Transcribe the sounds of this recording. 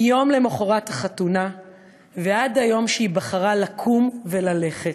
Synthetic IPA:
jo̞mle̞moχoʁathaχatuna | veadajo̞mʃeibaχaʁalakʰumvelale̞χet

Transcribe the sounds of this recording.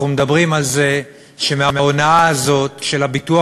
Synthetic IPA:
umed̪abʁimalze | ʃemeamaonaaːzo̞tʃe̞lhabitua

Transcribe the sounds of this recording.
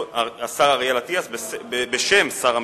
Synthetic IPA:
asaʁaʁjalat̪iasbebebeʃemsaʁam

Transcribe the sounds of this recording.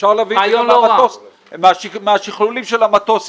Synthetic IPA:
ʃaʁlavioamatos | mameaʃiχlulimʃelamat̪os

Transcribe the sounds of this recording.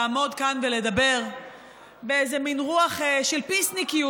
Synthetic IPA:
mo̞d̪kanvele̞d̪abe̞ʁ | beezeminʁuaχeʃelpisnikiu

